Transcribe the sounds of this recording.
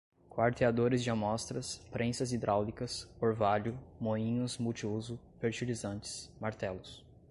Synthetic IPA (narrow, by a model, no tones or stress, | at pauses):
kwaɾt̪ead̪oɾɪzd͡ʒɪamɔst̪ɾɐspɾʔẽsɐzid̪ɾʔawlikɐsoɾvaʎʊmoĩɲʊsmuwt͡ʃiuzʊ | feɾt͡ʃilizɐ̃nt͡ʃɪ̥smaɾt̪ɛlʊs